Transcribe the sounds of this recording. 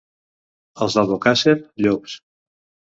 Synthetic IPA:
əlˠzðalβokaseɾʎops

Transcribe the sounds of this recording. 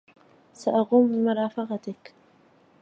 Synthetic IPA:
saʔaɣuːmbɪmʊɾˤɑːfɑqɑt̪ɪk

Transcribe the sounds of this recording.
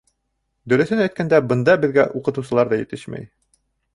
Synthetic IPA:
d̪ɵ̆ɾɵ̆θɘnæjt̪kænd̪æbɤ̆nd̪ɑbɘ̆ðɡæ̰ʔuqɤ̆t̪uwsɤ̆lˠɑɾðɑjɘ̆t̪ɘʃmæ̰j

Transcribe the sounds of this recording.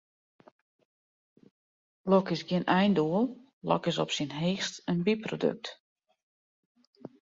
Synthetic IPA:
lokɪsɡɪənʔɛjnduəlˠ | lɔ̰kɪsɔpsinɦeːxtənbiprodø̰k̚t

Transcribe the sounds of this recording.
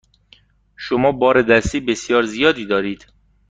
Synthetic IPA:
ʃomɒːbɒːɾed̪æst̪iːbe̞sjɒːɾzijɒːd̪iːd̪ɒːɾiːd̪̥

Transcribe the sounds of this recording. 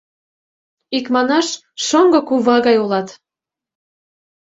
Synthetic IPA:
ikmɑnɑʃ | ʃoŋɡɤ̆kuβɑɣɑjolɑt̪

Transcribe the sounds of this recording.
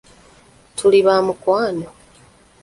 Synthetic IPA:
tʰuliβaːmukwaːno

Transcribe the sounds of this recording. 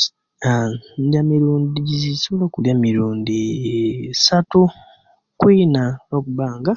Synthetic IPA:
andjamiɾuːndiɟizisolokuljamiɾuːndi | satu | kwiːnaokuβaːŋɡa

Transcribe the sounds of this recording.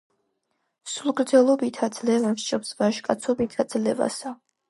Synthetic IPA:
sulˠɡɾd̪zɛlˠɔbit̪ʰad̪z̥lɛvɛmʃt͡ʃʼɔpsbaʃkʼat̪sʰɔbit̪ʰad̪zlɛva̰sa

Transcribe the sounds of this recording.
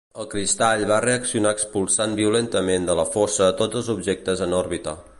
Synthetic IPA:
əlˠkɾist̪aʎβareəksiunaəkspulˠsanbiulent̪əmend̪ələfosəət̪od͡zəlˠzubʒek̚t̪əzənɔrβit̪ə̰

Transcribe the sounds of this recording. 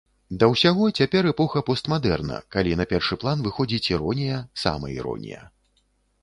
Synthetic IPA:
d̪ɐwsʲaɣɔt͡sʲapʲɛɾɛpɔxɐpɔst̪mad̪ɛrnɐ̰kalʲinɐpʲɛrʂɨplˠanvɨxɔd͡zʲit͡sʲiɾɔnʲijɐsa̰mɐ̰ḭɾɔ̰nʲḭjɐ̰

